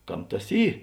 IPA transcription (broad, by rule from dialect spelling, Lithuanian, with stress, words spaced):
ˈkɐm ˈtɐs ˈiː